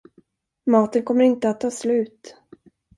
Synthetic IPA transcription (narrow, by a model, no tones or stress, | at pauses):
mɑːt̪ənkʰɔmːəɾɪnt̪əat̪ʰːɑːslʉ̟ːt̪